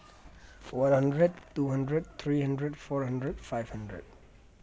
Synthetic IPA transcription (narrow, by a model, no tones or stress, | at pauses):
fɔɹhʌ̃ndɹɛdtuɦʌ̃ndɹɛd̚t̪ʰɹiːhãndɹɛdfɔɹhʌ̃ndɹɛdfajvhʌ̃ndɹɛ̰d̚